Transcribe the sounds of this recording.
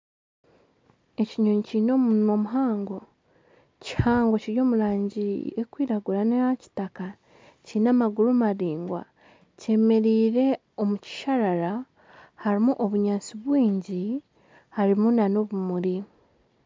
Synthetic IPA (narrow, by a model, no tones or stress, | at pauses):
e̞ciɲoɲiciːno̞mumomuɦaːŋɡo̞ | ci̥haːŋɡo̞ciɾjo̞ːmuɾaːɲɟiekwiːɾaɡuɾaneaci̥taka | ciːnamaɡuɾumaɾiːŋɡwa̰ | ce̞me̞ɾiːɾe̞ | o̞muci̥ʃaɾaɾa | haɾimuʔoβuɲaːt͡siβwiːɲɟi | haɾimunano̞βumuɾi